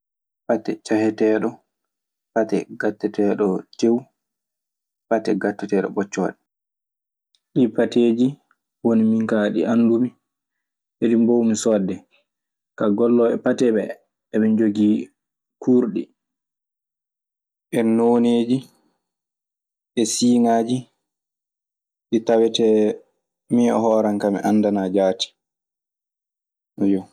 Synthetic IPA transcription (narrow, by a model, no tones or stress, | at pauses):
patːɛt͡ʃahɛtɛɗɔ | patɛ̰ɡatːɛtɛɗɔd͡ʒew | patɛɡatːɛtɛɗɔ̰ɓɔt͡ʃːɔ̰ɗɛ | ɗipateːd͡ʒi | wonimiŋkaɗḭʔandumi | ɓeɾimbowmisɔdːɛ | kaɡɔlːɔɛpatɛɓɛ | ɛmɛnd͡ʒoɡi | kuːɾɗi | ʔɛnoːneːd͡ʒi | ʔɛsiːŋaːd͡ʒi | ɗitawɛtɛ | miɔ̰ɦɔːɾaŋkamḭʔanːdanad͡ʒaːti̥ | ɔjɔ